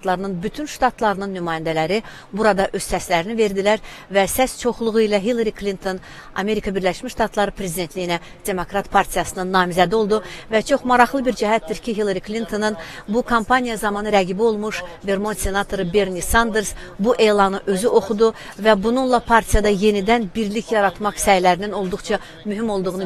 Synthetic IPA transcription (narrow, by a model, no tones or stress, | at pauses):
t̪lˠɑɾɯnɯnbyt̪ʰynʃt̪ɑt̪ʰlˠɑɾɯnɯnːymɑːjænd̪ælæɾi | buɾɑd̪ɑʔø̞z̥sæslæɾinive̞ɾd̪ilæɾvæsæst͡ʃʰo̞χlˠuʁuilæɦilˠaɾiklʲint̪ʰo̞n | ɑ̰me̞ɾikʰɑbiɾlæʃmiʃt̪ɑt̪ʰlˠɑɾɯpʰɾe̞zid̪et̪ʰlijinæ | d̪̥e̞mo̞kɾɑt̪pʰɑɾt̪ʰijɑsɯnɯnːɑːmizæd̪io̞lˠd̪uvæt͡ʃʰo̞χmɑɾɑχlˠɯbiɾd͡ʒæɦæt̪̚d̪iɾcʰiɦilˠaɾiklint̪ʰo̞nɯnbukʰompʰanijɑzɑmɑnɯɾæɡibio̞lˠmuʃve̞ɾmo̞nsʲe̞nɑt̪ʰo̞ɾɯbe̞ɾnisɑnd̪e̞ɾs | buʔe̞jlˠɑnɯʔø̞zyʔo̞χud̪u | væbununlˠɑpʰɑɾt̪ʰijɑd̪ɑje̞nid̪ænbiɾliçjɑɾɑt̪mɑχsæjlæɾinino̞lˠd̪uχt͡ʃʰɑ | myɦimo̞lˠd̪uʁunu